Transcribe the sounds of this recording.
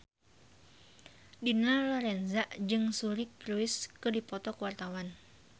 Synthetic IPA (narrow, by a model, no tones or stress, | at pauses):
dinalɔɾɛnzaʔd͡ʒɨŋsuɾɪkɾuɪskɨdipɔt̪ɔkəwart̪awan